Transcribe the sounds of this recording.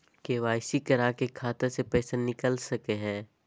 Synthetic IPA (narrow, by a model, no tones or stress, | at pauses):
keːʋaːɪsikɐɾaːkekʰaːt̪əɾsepɛːsenɪkəlsɐkeɦɛ̃ː